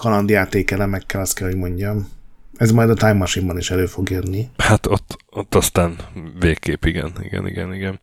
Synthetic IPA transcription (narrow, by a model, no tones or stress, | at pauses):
kɒlɒnd̪jaːt̪eːkɛlɛmɛkːɛlɒst̪̚kɛlho̞ɟmo̞ɲɟɒmɛzmɒjd̪ɒt̪ajmːɒʃimbɒniʃɛløːfo̞ɡjød̪nːihat̪ot̪ːot̪ːɒst̪aːnveːkːeːpiɡɛ̰nḭɡɛ̰nḭɡɛ̰niɡɛn